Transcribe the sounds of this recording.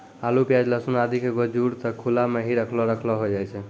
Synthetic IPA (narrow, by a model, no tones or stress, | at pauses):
alupjad͡ʒləsunad̪ʱikeɡɔd͡ʒuɾt̪ɔkʰulameɦiɾəkʰlɔɾəkʰlɔɦod͡ʒajt͡ʃʰɛ